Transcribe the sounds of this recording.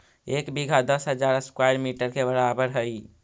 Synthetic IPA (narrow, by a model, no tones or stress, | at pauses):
ekbiɡʱad̪əsɦəd͡ʒaɾəskwajɾmiʈəɾkʰebəɾabəɾɦəj